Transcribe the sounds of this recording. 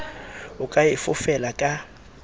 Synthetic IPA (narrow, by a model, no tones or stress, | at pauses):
ʊkʼaɪfʊfɛlakʼa